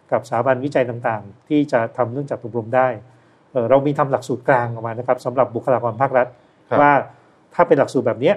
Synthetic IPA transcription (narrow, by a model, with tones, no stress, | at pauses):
ka˨˩p̚saː˩˦ba˧nwi˦˥t͡ɕa˧jt̪aː˨˩ŋt̪aː˨˩ŋt̪ʰiː˥˩t͡ɕa˨˩t̪ʰa˧mnɯ˥˩əŋt͡ɕaː˨˩kʔu˨˩p̚ɾu˧mdaː˥˩j | ʔɤː˨˩ɾa˧wmiː˧t̪ʰa˧mla˨˩k̚suː˨˩t̪̚klaː˧ŋʔɔː˨˩maː˧na˦˥kʰa˦˥p̚sa˩˦mɾa˨˩p̚bu˨˩kʰːa˧laː˧kɔː˧npʰaː˥˩k̚ɾa˦˥t̪̚ | waː˥˩ | t̪ʰaː˥˩pe˧nla˨˩k̚suː˨˩bɛː˨˩ni˦˥ɐ